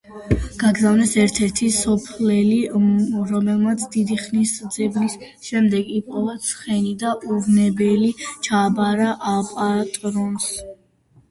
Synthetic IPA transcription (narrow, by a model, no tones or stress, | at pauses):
ɡ̥aɡzavnɛsɛɾt̪ʰɛɾt̪ʰisɔpʰlɛliɾɔmɛlˠmat̪sʰd̪id̪iχnisd̪zɛblis | ʃɛmd̪ɛɡipʼɔvat̪sʰχɛnid̪aʔuvnɛbɛlit͡ʃʰaːbaɾaʔapʼat̪ʼɾɔns